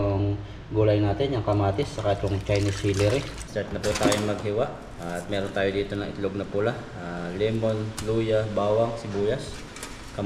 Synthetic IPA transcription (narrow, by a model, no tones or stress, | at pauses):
ʊŋ | ɡolajnat̪ɛnjaŋkamat̪ɪsːakat̪ʊŋt͡ʃajnisilɪɾɪ | sat̪̚nɐput̪ajonmɐɡɦiwaʔ | at̪̚mɛɾɔnt̪ajod̪it̪onɐŋɪ̰t̪lʊɡ̚napulah | alɛmonlujabawaŋsibujas | ka